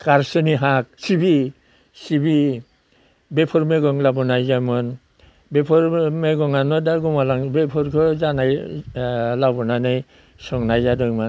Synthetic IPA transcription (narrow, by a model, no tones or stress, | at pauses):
kaɾsɯniɦak̚sibi | sibi | bepʰɔɾmeɡɔŋlabɔnajzamɯn | bepʰɔɾmeɡɔŋanɔdaɡɔmalaŋbepʰɔɾkʰɯzanaj | labɔnanɯj | sɔŋnajzadɯjmɯn